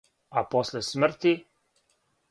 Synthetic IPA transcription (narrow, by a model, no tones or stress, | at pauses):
aposlesmr̩t̪i